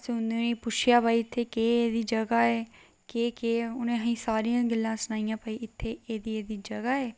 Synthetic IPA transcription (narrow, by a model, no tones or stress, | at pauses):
sʊnd̪enẽːpʊt͡ʃʰɪjaːpaːiːɪt̪ʰːeːkeːeːd̪iːd͡ʒəɡaːɛː | keːkeːʊnẽːɦĩːsaːɾiːãːɡɪlːãːsənaːijãːpəiːɪt̪ʰːeːeːd̪iːeːd̪iːd͡ʒəɡaːɛː